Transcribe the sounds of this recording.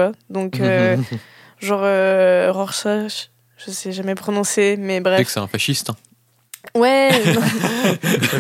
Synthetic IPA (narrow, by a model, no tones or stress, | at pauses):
ad̪ɔ̃kø | ʒɑ̃ʁøʁɔʁsa | ʒ̥əsɛʒamɛpχɔnɔ̃semɛbʁɛkfksɛɛ̰̃faʃist̪ɛ̃ | wɛñ